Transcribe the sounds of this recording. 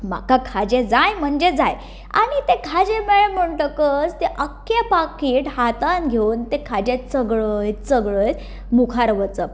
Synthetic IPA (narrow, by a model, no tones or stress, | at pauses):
m̤a̰kakʰad͡ʑed͡zajm̤əɳd͡ʑed͡zaj | a̰ɽ̃it̪ekʰad͡ʑemeɭem̤əɳʈ̪əkət͡st̪eʔəkːepakiːʈɦat̪anɡʱewnt̪ekʰad͡ʑet͡səɡɭəjt͡səɡɭəj | mukʰaɾʋət͡səp